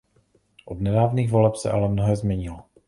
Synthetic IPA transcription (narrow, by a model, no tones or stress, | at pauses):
ʔodnɛdaːvniːɣvo̞lɛpsɛ̰ʔalɛmnoɦɛːzmɲɛɲɪlo